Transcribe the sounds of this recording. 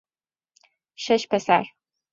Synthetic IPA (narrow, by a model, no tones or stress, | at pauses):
ʃɐʃpʰɐsaːr